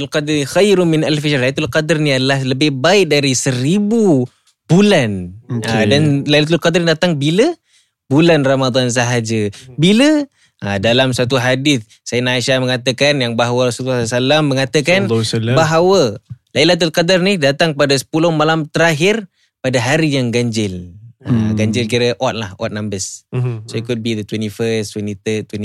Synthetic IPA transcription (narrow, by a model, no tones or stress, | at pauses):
lqɑd̪rixajɾʊmɪnalfid͡ʒrlajlat̪ulqadərniadəlahləbɪhbaɪʔ̚daɾisəɾibu | b̥ulanadanlajlat̪̬ulqadrdat̪aŋbilə | bulanramad̪ˤans̬aɦad͡ʒəbilə | ʔadalamsat̪uɦadɪθ | sajənaʃaməŋat̪əkanjaŋbaɦawəɾasulasalamːəŋat̪əkanbaɦawəlailat̪̬ulkadarnihdat̪aŋkpadasə̥pulʊhmalamt̪əɾaɦɪr | padaɦaɾijaŋɡaɲd͡ʒɪla̰ɡaɲd͡ʒɪlkiɾəʔɔt̪̚lahɔ̰t̪̚nambəssoikut̚bid̪ət̪wɛnifəst̪wɛnit̪ət̪wɛn